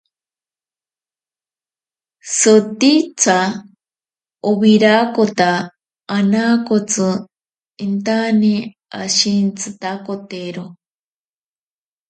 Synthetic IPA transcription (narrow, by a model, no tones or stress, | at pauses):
sot̪it͡sʰa | oβiɾakot̪aː | nakot͡sɨ | int̪ani | aʃint͡sʰɨt̪akot̪eɾo